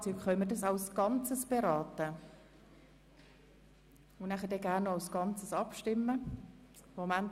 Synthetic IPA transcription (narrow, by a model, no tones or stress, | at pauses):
t͡sykχœnmədɑsɑwsɡ̥ɑnt͡səsb̥eɾɑːt̪ə | ʊnæχədɛɡænːɔaʊsɡ̥ɑnt͡səsɑpʃtɪmːə | momæn